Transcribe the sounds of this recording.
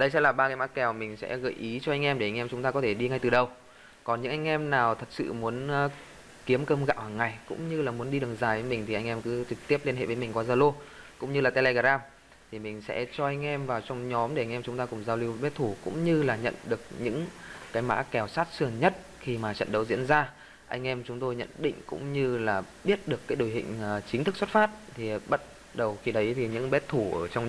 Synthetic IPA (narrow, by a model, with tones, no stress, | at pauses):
ɗə˧jsɛ̰˧˥laː˨˩ɓaː˧ka˨˦ma̰ː˧˥kɛ˨˩wmï˨˩ŋ̟sɛ̰˧˥ɣə̰ː˧˩jʔi˨˦t͡ɕɔ˧ʔa˧jŋʔɛ˧mɗe˧˩a˧jŋʔɛ˧mt͡ɕʊ˨˦ŋ͡mt̪aː˧kɔ˨˦t̪ʰe˧˩ɗi˧ŋa˧˩jt̪ɨ˨˩ɗə˨˩w | kɔ˨˩nɲɨ̰˧˥ŋʔa˧jŋ̟ʔɛ˧mnaː˨˩wt̪ʰə˨˩t̚sɨ̰˧˨mu˨˦ənː˧˦ | ki˨˦əmkəː˧mɣa̰ː˧˨whaː˨˩ŋːa˨˩jkʊ̰˧˥ŋ͡mɲɨ˧laː˨˩mu˨˦ənɗi˧ɗɨ˨˩əŋzaː˨˩jve˨˦mï˨˩ŋ̟t̪ʰi˨˩ʔa˧ŋʔɛ˧mkɨ˨˦t͡ɕɨ˨˩k̚t̪i˦˥əp̚le˧nhḛ˧˨ve˨˦mi˨˩ŋ̟kwaː˧˩zaː˧lo˧kʊ̰˧˥ŋ͡mɲɨ˧laː˨˩t̪ɛ˧lɛ˧ɣaː˨˧˩zaː˧m | t̪ʰi˨˩mï˨˩ŋ̟sɛ̰˧˥t͡ɕɔ˧ʔa˧jŋ̟ʔɛ˧mvaː˨˩wt͡ɕɔ˧wŋ͡mɲɔ˨˦mɗe˧˩ʔa˧jŋ̟ʔɛ˧mt͡ɕʊ˨˦ŋ͡mt̪aː˧kʊ˨˩ŋ͡mzaː˧wli˧əwɓɛ˦˥t̚t̪ʰu˧˩kʊ̰˧˥ŋ͡mɲɨ˧laː˨˩ɲə̰˧˨nɗɨ˨˩ək̚ɲɨ̰˧˥ŋkaː˨˦jma̰ː˧˥kɛ˨˩wsaː˦˥t̚sɨ˨˩əŋɲə˦˥t̚ | xi˧˩maː˨˩t͡ɕə̰˧˨nɗə˨˦wzḭ˧˥ənzaː˧ | ʔa˧jŋ̟ʔɛ˧mt͡ɕʊ˨˦ŋ͡mt̪o˧jɲə̰˧˨nɗḭ̈˧˨ŋ̟kʊ̰˧˥ŋ͡mɲɨ˧laː˨˩ɓi˦˥ət̚ɗɨ˨˩əkːaː˨˦jɗo˧˩jɦḭ̈˧˨ŋ̟ː˨˩t͡ɕi˨˦ŋt̪ʰɨ˦˥k̚sə˦˥t̚faː˦˥t̚t̪ʰi˨˩ɓa˦˥t̚ | ɗə˨˩wxi˧ɗə˨˦jt̪ʰi˨˩ɲɨ̰˧˥ŋɓɛ˦˥t̚t̪ʰu˧˩ʔəː˧˩t͡ɕɔ˧wŋ͡m